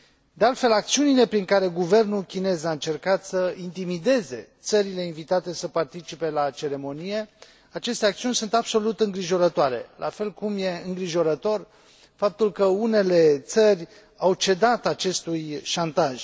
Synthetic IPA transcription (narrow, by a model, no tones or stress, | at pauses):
d̪e̞alt̪fe̞lak̚t̪siunile̞pɾiŋkaɾe̞ɡuve̞rnulkʲine̞zaɨnt͡ʃe̞rkat̪səint̪imid̪e̞ze̞t̪səɾile̞invit̪at̪e̞səpart̪it͡ʃipe̞lat͡ʃe̞ɾe̞mo̞nije̞ | at͡ʃe̞st̪eak̚t̪siunʲsunt̪abso̞lut̪ɨŋɡɾiʒo̞ɾət̪oaɾe̞̰lʔa̰fe̞lkumje̞ɨŋɡɾiʒo̞ɾət̪o̞r | fap̚t̪ulkəune̞le̞t̪sərʲ | awt͡ʃe̞d̪at̪at͡ʃe̞st̪ujʃant̪aʒ̥